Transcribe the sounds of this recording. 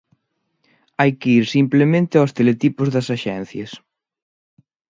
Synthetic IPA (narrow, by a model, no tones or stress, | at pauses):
ajkeiɾsimplemẽnt̪ɪast̪elet̪ipʊzðɐsaʃɛn̟θjɐs